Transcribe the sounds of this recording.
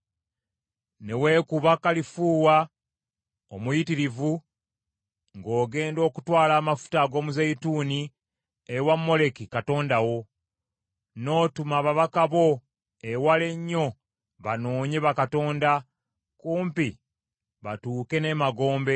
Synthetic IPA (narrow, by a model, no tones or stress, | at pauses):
ne̞we̞ːkuβakalifuːwa | omujitiɾivu | ŋɡo̞ːɡe̞ːndo̞ːkutwaːlaːmafu̥taɡo̞ːmuzeituːni | ewamːo̞le̞kikato̞ːndawo̞ | no̞ːtumaβaβakaβo̞ | ewale̞ɲːo̞ | βano̞ːɲe̞βakato̞ːnda | kuːmpi | βatuːke̞ne̞maɡo̞ːmbe̞